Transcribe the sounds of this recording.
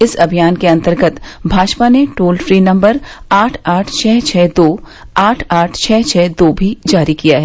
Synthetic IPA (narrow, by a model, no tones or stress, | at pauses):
ɪsɐbʱijaːnkeɐ̃nt̪əɾɡət̪bʱaːd͡ʒpaneʈoːlfɾiːnɐ̃mbəɾaːʈʰaːʈʰt͡ʃʰɛːt͡ʃʰɛːd̪oː | aːʈʰaːʈʰt͡ʃʰɛːt͡ʃʰɛːd̪oːbʱid͡ʒaːɾikijaɦɛ